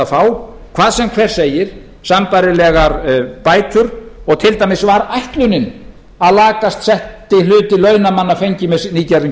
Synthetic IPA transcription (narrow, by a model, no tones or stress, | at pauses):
faːw | kʰvaːðsɛmkʰvɛːɾ̥sejɪɾ̥ | sampajɾɪlɛːɣaɾpaːjt̪ʏɾɔɣt̪ʰɪlt̪ajmɪsvaɾajht̪lʏnɪn | aðlaːkast̪sɛht̪ɪlʏːt̪ɪlœːɥnamanːafejɲcɪmɛsniːcaɾɪ